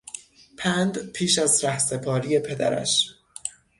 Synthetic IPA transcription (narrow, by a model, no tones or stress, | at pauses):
pʰænd̪pʰiːʃæzɾæhse̞pʰɒːɾije̞pʰe̞d̪æ̰ɾæ̰ʃ